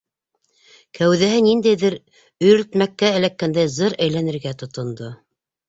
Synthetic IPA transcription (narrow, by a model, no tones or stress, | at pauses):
kʰæwðæɦɘnind̪æjðɘɾ | ɵ̆jɾɵ̆t̪mækːæːlækːænd̪æjzɤɾæjlænɘ̆ɾɡæt̪ŏt̪ŏnd̪o